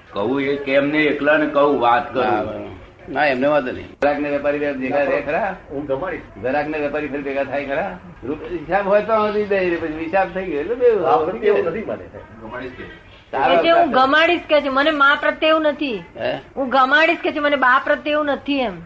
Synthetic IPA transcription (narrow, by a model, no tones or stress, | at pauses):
kəɦuekemneeklənkəuʋat̪kəɾ | nãemneʋat̪enḛəɾakʰneʋjəpaɾibed͡ʒeɡaɾekʰəɾaũɡəmaɽisɡʱəɾakʰneʋjəpaɾipʰəɾibeɡat̪ʰajkʰəɾa | ɾupɦɪsabɦojt̪ɔ̃t̪ibeɾepət͡ʃʰiɦɪsabt̪ʰəiɡlebeeət̪ʰimanḛ | ɡəmaɽiske | saɾeũɡəmaɽiskɛt͡ʃʰɛmənemãpɾət̪eũnət̪ʰiɦũɡəmaɽiskɛt͡ʃʰɛmənebapɾət̪eũnət̪ʰiem